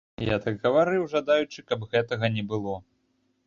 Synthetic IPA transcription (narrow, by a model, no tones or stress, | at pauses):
ja̰t̪aɡɣɐvaɾɨwʐad̪ajut͡ʂɨkɐbɣɛt̪ɐɣɐnʲɛbɨlˠɔ